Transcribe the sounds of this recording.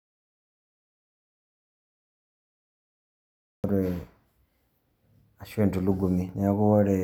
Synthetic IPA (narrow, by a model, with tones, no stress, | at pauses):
ɾe | a˨ʃeː˨ntu˨lu˦ɡu˨mine˨a˦ku˦wa˦ɾe